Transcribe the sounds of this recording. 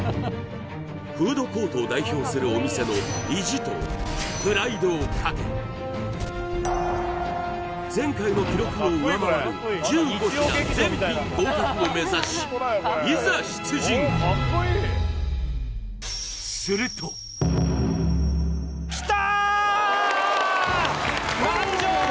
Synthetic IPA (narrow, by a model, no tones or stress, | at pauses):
ɸɯ̟ːd̪o̞ko̞ːt̪oːd̪aiço̞ːsɨɾɯ̟omʲise̞no̞iʑit̪o̞̰bɯ̟ɾaid̪oːkʰakḛ | d͡zẽ̞ŋkaino̞kʲiɾo̞kɯno̞ɯemaɾod͡ʑɨːɡo̞çiazẽmʲĩkoːkakɯome̞zaɕi̥izɨɾaɕi̥t͡sɨʑĩŋ | sɨɾɯ̟t̪o | t̪a